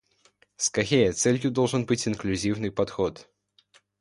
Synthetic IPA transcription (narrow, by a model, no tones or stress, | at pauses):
skɐxʲejət̪sɛlʲjʊd̪olˠʐɨnbɨtʲɪnklʲʉzʲivnɨjpɐt̪xot̪